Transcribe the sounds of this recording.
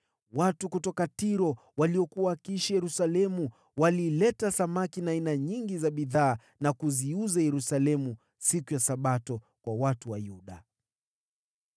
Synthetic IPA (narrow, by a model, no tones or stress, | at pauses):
watukutɔkatiɾɔ | waliɔkuwakiʃajɛɾusalɛmu | waliːlɛtasamakinaːinaɲiŋɡizaɓiðaː | nakuziuzajɛɾusalɛmu | sikujasaɓatɔ | kwawatuwajuɗa